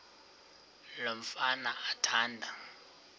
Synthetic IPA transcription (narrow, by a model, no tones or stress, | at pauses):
lom̩fanaːtʰaːndʱa